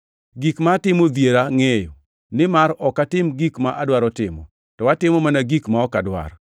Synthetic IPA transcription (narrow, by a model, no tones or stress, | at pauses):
ɡikmatɪmod̪jeɾaŋejo̰ | nɪmaɾɔkatɪmɡikmaʔadwaɾɔtɪmɔ̰ | tɔwatɪmɔmanaɡikmaɔkadwa̰r